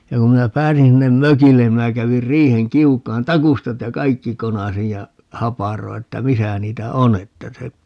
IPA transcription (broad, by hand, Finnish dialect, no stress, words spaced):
jɑ kum minæ pæːsin sinːem møkilːen ni minæ kæʋir riːheŋ kiukˑɑːn tɑkustɑt jɑ kɑikːi konɑsij jɑ hɑpɑroi̯ etːæ misæ niːtæ o n etːæ se